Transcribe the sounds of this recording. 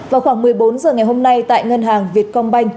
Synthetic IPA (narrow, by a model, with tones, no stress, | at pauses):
vaː˨˩wxwaː˧˩ŋmɨ˨˩əjɓo˨˦nzəː˨˩ŋa˨˩jɦo˧mna˧jt̪a̰ː˧˨jŋə˧nɦaː˨˩ŋvi˨˩ət̚kɔ˧wŋ͡mɓa˧jŋ̟